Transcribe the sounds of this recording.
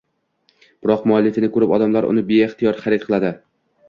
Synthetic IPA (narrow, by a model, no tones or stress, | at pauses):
b̥ɪɾɒqmʊlːit̪ɪnɪkʰɵɾɪpɒd̪amlaɾʊ̰nɪbeːχt̪ʰɪjɒɾχaɾɪt̪̚qʰɨlˠad̪ɪ